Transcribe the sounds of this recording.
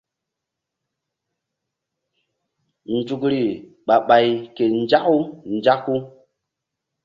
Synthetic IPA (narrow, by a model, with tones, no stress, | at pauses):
n˨d͡ʒu˨kɾi˨ | ɓa˨ɓa˨jke˨n˦d͡ʒa˦ku˦n˨d͡ʒa˦kːu˦